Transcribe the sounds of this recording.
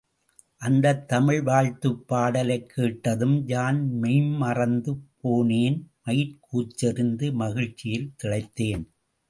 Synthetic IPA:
ʔɐnd̪ɐt̪ːɐmɪɻʋaːɻt̪ɯpːaːɽɐlɐɪkʰːeːʈːɐðɯmd͡ʒaːnmɪɪmːɐrɐnd̪ɯpːoːneːnmɐjɪɾkuːt͡ʃːɪɾɪnd̪ɯmɐɣɪɻt͡ʃːɪjɪlt̪ɪɭɐɪt̪ːeːn

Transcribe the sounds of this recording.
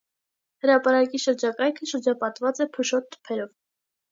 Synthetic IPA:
həɾɑpɑɾɑkiʃəɾd͡ʒɑkɑjkʰəʃəɾd͡ʒɑpɑt̪vɑt͡sɛpʰəʃɔt̪ʰːə̥pʰɛɾɔv

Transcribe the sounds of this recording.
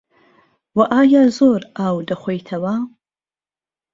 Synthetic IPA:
waʔaːjazoːraːwdɐχʷejtʰɐwaː

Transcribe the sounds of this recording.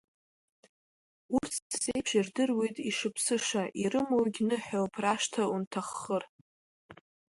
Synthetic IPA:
urt͡sʰdzejpʰʂirdɨrwejtʼiʂɨpʰsɨʂaʔiɾɨmoɡʲnɨħowpʰraʃtʰauntʰaχːər

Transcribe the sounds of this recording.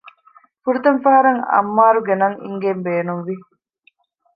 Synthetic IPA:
fuɾut̪ɐnfɐɦɐɾɐŋɐ̰mːaːɾuɡenɐŋḭŋɡembeːnunʋi

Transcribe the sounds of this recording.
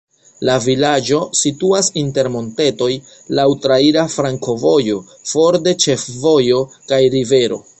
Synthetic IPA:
lavilad͡ʒo̞situasinte̞ɾmo̞nte̞to̞j | lawtɾaiɾafɾaŋko̞vo̞jo̞ | fo̞ɾde̞t͡ʃe̞fvo̞jo̞kajɾive̞ɾo̞̰

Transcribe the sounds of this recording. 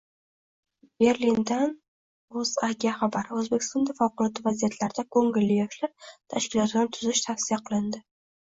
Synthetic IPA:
b̥e̞ɾlind̪an | ɵzaɡʲiaχabaɾɵzbekʲʰɪ̥st̪ɒnd̪efɒwqʊlˠɒt̪ɪvazijat̪ʰlaɾɪd̪akʰɵŋɪlːɪjɒʃlaɾt̪ʰaʃkʲɪlɒt̪ʲanɪt̪ʰʊzɪʃt̪ʰafsɪjaqʰɨlˠɪnd̪ɪ

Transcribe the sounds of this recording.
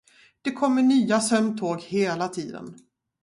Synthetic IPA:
d̪̥ɛkʰɔmːəɳyːasœmt̪ʰoːɡheːlat̪ʰiːd̪ə̰n

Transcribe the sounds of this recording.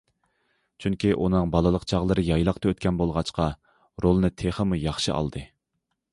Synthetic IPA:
t͡ʃʰyŋkʲiʔunɨŋbɑlˠɨlˠəqt͡ʃʰɑʁlˠəɾɨjɑjlˠɑqt̪ɨøt̪̚kʲʰɛnbolˠʁɑt͡ʃqɑ | ɾolˠɨnɨt̪ʰeχəmujɑχʃɨʔɑ̰lˠd̪ɨ

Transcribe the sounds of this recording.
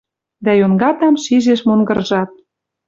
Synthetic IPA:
d̪æjonɡɑt̪ɑmʃiʒeʃmoŋɡɤ̆rʒɑt̪̚

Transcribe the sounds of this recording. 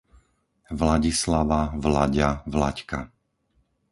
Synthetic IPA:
vlaɟislaʋavlaɟavlacka

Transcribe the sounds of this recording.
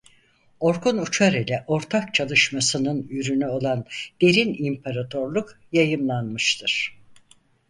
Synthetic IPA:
o̞ɾkunut͡ʃʰaɾilʲɛʔo̞ɾt̪ʰak̚t͡ʃʰalˠɯʃmasɯnɯnyɾynyo̞lˠand̪̥e̞ɾinimpʰaɾat̪ʰo̞ɾlˠuk | jajɯmlˠanmɯʃt̪ʰɯɾ̥

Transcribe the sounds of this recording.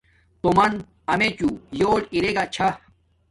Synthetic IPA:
t̪omɐn | ɐmet͡ɕuːjoːɽiɾeɡat͡ɕʰɐ

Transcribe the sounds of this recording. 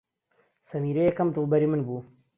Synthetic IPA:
sɐmiːɾejɛkɐmd̪ɨlˠbɐɾimɨnbuː

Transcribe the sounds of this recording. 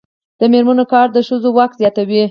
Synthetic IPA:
d̪̥əmeɾmanokɑɾd̪əʃəzowak̚t̪zjɑt̪awi

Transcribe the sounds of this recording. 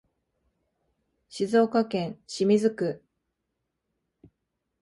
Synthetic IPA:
ɕizo̞ːkakẽ̞ɰ̃ɕimʲizɨkɯ̟

